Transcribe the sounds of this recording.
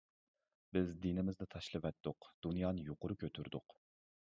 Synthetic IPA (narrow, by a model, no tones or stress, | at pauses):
bɪzd̪inɪmɪzd̪ɛt̪ʰɑʃlˠɨvɛt̪ːʊqd̪̥unjɑːnɨjoqʊɾʊkʲʰøt̪ʰyɾd̪ʊq